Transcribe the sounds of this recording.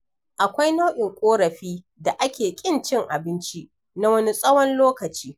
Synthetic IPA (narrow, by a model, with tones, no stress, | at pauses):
ʔa˨kʷa˦jna˦wʔɪ˨ŋkʷʼoː˦ɾɐ˨ɸiː˦ | da˨ʔa˦kʲeː˨kʲʼɪ˦nt͡ʃɪ˦ŋʔa˨bɪ˦nt͡ʃi˦ | na˦wɐ˦ni˦sʼɐ˦wɔ˦nloː˦kɐ˨t͡ʃiː˦